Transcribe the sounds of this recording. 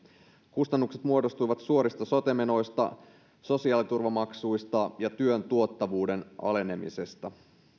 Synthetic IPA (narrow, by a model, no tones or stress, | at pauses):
kust̪ɑnːukset̪muo̞do̞st̪ujʋɑt̪suo̞ɾist̪ɑso̞t̪e̞me̞no̞jst̪ɑ̰ | so̞siɑːlit̪urʋɑmɑksujst̪ɑjɑt̪yø̞nt̪uo̞t̪ːɑʋuːde̞nʔɑ̰le̞ne̞mḭse̞st̪ɑ